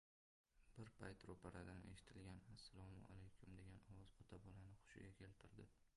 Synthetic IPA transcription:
b̥ɪɾpʰajt̪ɾopʰaɾad̪ane̞̰ʃɪ̥t̪ʰɪlɡʲanasːalˠɒmʊa̰lejkʰʲʊmd̪e̞ɡʲanɒwɒzɒt̪ʰabɒlanɪχʊ̥ʃɪ̰ɡʲakʲʰe̞lt̪ʰɪɾd̪ɪ

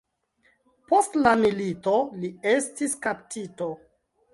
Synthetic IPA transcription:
po̞stlamilitolie̞stiskaptʰito

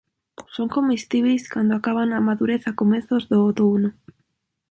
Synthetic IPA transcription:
soŋkomist̪iβ̞ejskand̪oakaβ̞anamaðuɾeθakomeθozðoot̪ounʊ

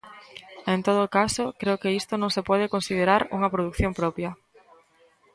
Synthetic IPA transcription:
ent̪oð̞oːkasokɾeʊkeist̪onõŋsepɔð̞ekonsiðeɾaɾuŋɐpɾoð̞ukθjõmpɾɔpjɐ

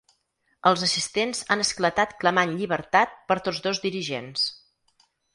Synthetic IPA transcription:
əlˠzəsist̪enzanəsklət̪at̪kləmanʎiβəɾt̪at̪̚pəɾt̪ozðozd̪iɾiʒḛns

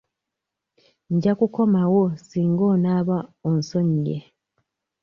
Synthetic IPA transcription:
ɲɟakuko̞mawosiːŋɡo̞ːnaːβaonso̞ɲjḛ

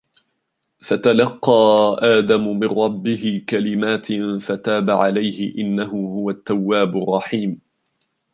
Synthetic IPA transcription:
fat̪alɑqːɑːʔaːd̪amʊmɪnːɑbːɪhɪkalɪmaːt̪fat̪aːbaʕalajhɪ̰ʔɪnːaɦʊhʊwat̪ːawːaːbʊrˤːɑħiːm

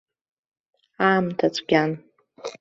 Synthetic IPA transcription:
aːmtʰat͡sʷʰʼɡʲan

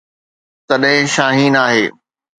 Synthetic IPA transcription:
t̪ɐɗɦɪ̃ʃaːɦiːnaːɦeː

